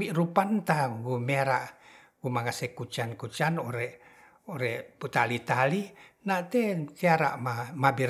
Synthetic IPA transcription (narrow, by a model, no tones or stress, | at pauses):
iʔɾupant̪aɡumeɾaʔ | ɡumaŋasɛkut͡ʃankut͡ʃanoɾɛʔ | oɾɛput̪alit̪alinat̪ɛseaɾa̰ʔmamabir